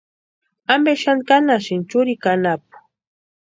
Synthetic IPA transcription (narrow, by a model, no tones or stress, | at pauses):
ambeʃankanaʃɪnt͡ʃʊɾikanap̚ʊ̥